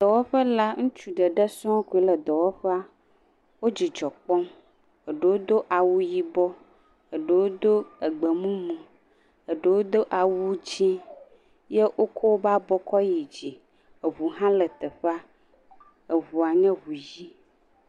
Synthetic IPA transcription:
d̪̥ɔ˨wɔ˦ɸə˦la˦ŋũ˦t͡ʃu˨ɖə˨ɖə˦sɔ̃˦ku˨e˦lə˨d̪ɔ˨wɔ˦ɸɛ˦a˦ | wo˦d͡ʑi˨d͡ʒɔ˨k͡pɔ˦m | ə˨ɖwo˦d̪o˦ʔa˨wu˦ji˦bɔ˦ | ə˨ɖə˨wo˦d̪o˦ə˨ɡ͡bə˨mũ˦mũ˨ | ə˨ɖə˨wo˦d̪o˦ʔa˨wu˦d͡ʒi˦ | je˦ʔo˦kʰo˦wo˦ba˦bɔ˦kɔ˦ji˨d͡ʑi˨ | ə˨βu˨ɦã˦lə˨t̪ə˨ɸa˦ | ə˨βu˨a˨ɲɛ̃˦βu˨ji˦

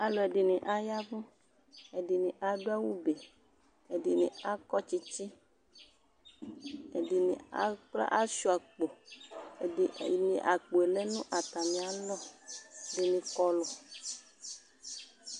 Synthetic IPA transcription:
a˨lɔ˨e˨ɖɪ˨nĩ˨ʔa˦ja˦vũ˦ | e˨di˨nĩ˨ʔa˨ɖo˦a˦wu˦be˨ | e˨di˨nḭ̃˨a˦kɔ˦t͡ʃi˦t͡ʃi˦ | ḛ˨di˨nḭ̃˨a̰˦k͡pla̰˦ʔa˦ʃu˦a˨k͡po˨ | nḭ̃˨ʔa˨k͡po˨e˨lɛ˦nũ˦ʔa˨t̪a˨mĩ˨a˨lɔ˦˨di˨nĩ˨kɔ˦lɔ˨

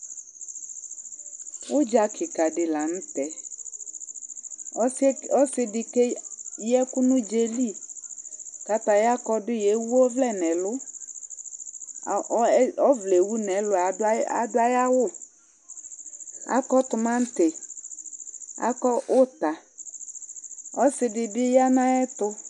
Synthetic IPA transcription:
wʊ˦d͡ʒa˨kʰɪ˨ka˨dɪ˨la˨ñ̩˦t̪ɛ˨˦ | ɔ˦sɪ˦dɪ˨ke˦jɛ˦kʊ˦nʊ̃˦d͡ʒe˨li˦˨ | ka˨t̪a˨ja˦kɔ˦dɪ˦je˨˦wu˦o˦vlɛ˦˨nɛ̃˨lʊ˦˨˦ | ɔ˦vle˨wu˦nɛ˨˦lʊ˨a˨˦a˨dʊ˦a˦ja˦wʊ˦˨ | a̰˦kɔ˦t̪ʊ˨mã˦n̩˦tɪ˨ | a̰˦kɔ˦ʔʊ˦t̪a˨ | ɔ˦sɪ˨dɪ˨bɪ˦ja˦nã˦ɛ˦t̪ʊ˦

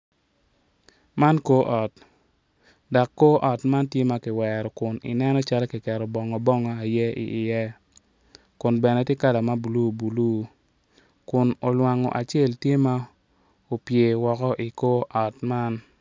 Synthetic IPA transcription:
ma˦nko˦ʔɔ˨t | da˨kːo˦ʔɔ˨tma˦ntje˦ma˦kɪ˨wɛɾɔ˨kʊ˨nɪ̰˨nɛ˦nɔ˦t͡ʃa˦lki˨kɛ˨ɾɔ˨bɔ˨ŋɔ˨bɔ˦ŋɔ˦a˨jɛ˦ḭ˨ʔɪ˨jɛ˦ | kʊ˨nbɛ˨nɛ˨˦tje˦ka˦la˨ma˦bu˨lu˦bu˨lu˦ | kʊ˨no˨lwa˨ŋɔ̰˨ʔa˨t͡ʃe˦˨ltje˦ma˦ | o˨pje˨wɔ˨kɔ˦ʔi˨ko˦ʔɔ˨tma˦n

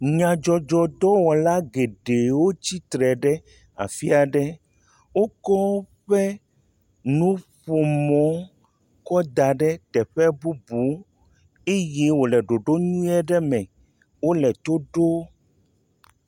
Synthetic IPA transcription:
ɲã˨d͡ʒɔ˨d͡ʒɔ˨d̪ɔ˦wɔ˨la˦ɡe˨ɖe˨wo˦t͡ɕi˦t̪ɾɛ˨ɖɛ˦ | a̰˨fi˦a˨ɖɛ˦ | wo˦kɔ˦ɸɛ˦ | nũ˦ɸo˨mɔ̃˦ | kɔ˦d̪a˨ɖɛ˦t̪ɛ˨ɸɛ˦bu˦bu˨˦ | e˦je˦wo˨lɛ˨ɖo˨ɖo˦ɲũ˦ɛ˦ɖɛ˦mɛ̃˨ | wo˦lɛ˨t̪o˦ɖo˦

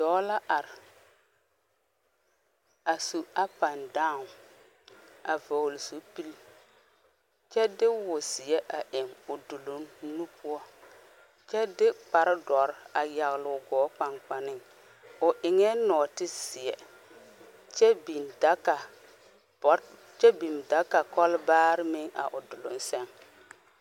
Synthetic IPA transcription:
d̥ɔː˨˦la˦ʔa˨ɾ | a˨su˨a˦pa˨ndãː˦˨ŋ˨ | a˨vo˨hlsu˨˦pi˦l | t͡ʃɛ˦dɪ˦wʊ˨sɪ˨ɛ˦ʔa˨ʔɪ˨ŋʊ˨du˨lo˨ŋnu˦pʰʊ˦ɔ˦ | t͡ʃɛ˦dɪ˦k͡pa˨ɾɪ˦dɔ˨ɾa˨ja˨ɣɪ˨lʊ˨ɡɔː˨˦k͡pa˨ŋk͡pa˨nɪ˦ŋ | ʊ˨ʔɪ˨ŋɛ˦nɔː˨tɪ˦sɪ˨ɛ̰˨ | t͡ʃɛ˦bi˨nda˨˦ka˨˦ | t͡ʃɛ˦bi˨mda˨˦ka˨kɔ˦lbaː˦ɾɪ˦mɪ˦ŋa̰˨ʔʊ˨dʊ˨lʊ̰˨n˦sɛ˦ŋ

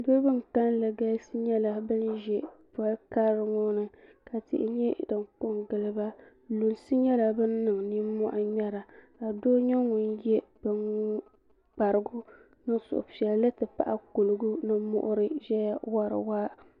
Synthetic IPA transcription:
bo˦bɨ˦ŋ˨ka˦nlɨ˨ɡa˦sɨ˦ɲɛ˦la˦bɨ˦nʒɛ˦pa˦lka˦ɾɨ˨ŋɔ˦nɨ˨ka˨tɪ̰˨ʔɪ˨ɲɛ˦dɨ˨ŋkʊ˦ŋɡɨ˨lɨ˦ba˦ | lo˨nsɨ˦ɲɛ˦la˦bɨ˦nː˦ɨ˨ŋ˨ni˦mɔ̰˦ʔa˦ɲɛ˦ɾa˨ka˨doː˦ɲɛ˦ŋʊ˨njɛ˦b̥ɨ˦n | k͡pa˨ɾɨ˨ɡʊ˦ | nɨ˦sʊ̰˨ʔʊ˨pɛ˨llɨ˦tɨ˨pa̰˨ʔa̰˦ko˨lɨ˨ɡʊ˦nɨ˦mʊ̰˦ʔʊ˦ɾɨ˦ʒɛ˦ja˦wa˦ɾɨ̰˨waː˦

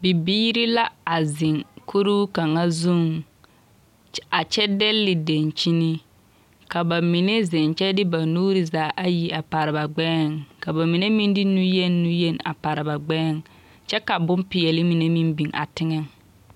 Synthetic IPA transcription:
bi˨biː˦ɾi˦la˦a˨zɪ˨ŋkʰu˦ɾu˦ka˨ŋa˦zu˦˨ŋ | a˨t͡ʃɛ˦dɛ˦lːɪ˨de˨nt͡ʃi˦ni˦ | ka˨ba˨mi˨ne˦zɛ˨nt͡ʃɛ˦dɪ˦ba˨nuː˦ɾi˨zaː˨˦ʔa˦ji˨a˨pa˨ɾɪ˨ba˨ɡ͡bɛː˦˨ŋka˨ba˨mi˨ne˦mi˦ndɪ˦nu˦je˦nː˦u˦je˦˨n˨a̰˨pa˨ɾɪ˨ba˨ɡ͡bɛː˦˨ŋ | t͡ʃɛ˦ka˨bʊ˦mpɪ˨jɛ˨lɪ˦mi˨ne˦mi˦mbi˨ŋʔa̰˨tɪ˦ŋɛ˦ŋ

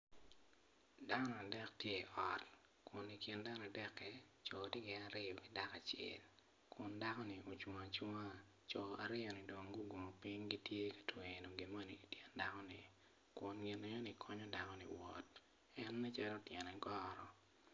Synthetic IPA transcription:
da˦nɔ˨a˨dɛ˦k̚tje˦˨ʔɔ˨t | kʊ˨ni˨kɪ˨nda˦n˨a˨dɛ˦kːɛ˦ | t͡ʃɔ˨ti˦ɡɛ˨a˦ɾɪ˦jɔ˨kɪ˨da˦ka˨t͡ʃɪ̰˦˨l | kʰʊ˨nda˦kɔ˦nɪ˨ʔo˨t͡ʃu˨ŋa˨t͡ʃu˦ŋa˦ | t͡ʃɔ˨a˨ɾɪ˦ɔ˨nɪ˨do˨ŋɡu˦ɡo˨mo˨pi˦ŋɡi˦tje˦kḁ˨twe˨no˨ŋɡi˨mo˦ni˨i˨tjɛ˦nda˦kɔ˦nɪ˨ | kʊ˨nɡɪ˨ne˨ɲɔ˦nɪ˨kʰɔ˦ɲɔ˦da˨kɔ˦nɪ̰˨wɔ̰˨t | ɛ˦nːɛ˦t͡ʃɛ˦lɔ˦tjɛ˨nɛ˨ɡɔɾɔ˨

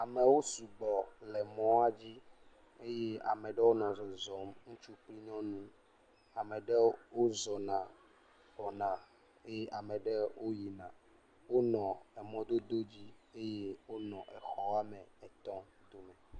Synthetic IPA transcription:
a˨mɛ̃˨wo˦su˨ɡ͡bɔ˨lɛ˨mɔ̃˦a˦d͡ʑi˦ | e˦je˦a̰˨mɛ̃˨ɖɛ˦wo˦nɔ̃˨zɔ˨zɔ˨mŋũ˦t͡ʃu˦pli˦ɲɔ̃˦nũ˦ | a˨mɛ̃˨ɖɛ˦wo˦zɔ˨nã˨ | bɔ˨nã˨ | e˦je˦ʔa˨mɛ̃˨ɖɛ˦wʔo˦ji˨nã˨ | wo˦nɔ̃˨ɛ˨mɔ̃˦d̪o˦d̪o˦d͡ʑi˦e˦je˦wo˦nɔ̃˨ʔɛ˨xɔ˦a˦mɛ̃˨ɛ˨t̪ɔ̃˦ | d̪o˦mɛ̃˨

